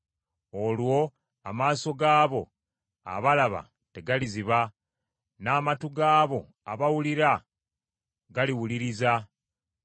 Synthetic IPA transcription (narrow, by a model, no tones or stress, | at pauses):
o̞lwo̞ | a̰maːso̞ɡaːβo̞ | a̰βalaβa̰ | te̞ɡaliziβa | naːmatuɡaːβo̞ | aβawuliɾa | ɡaliwuliɾiza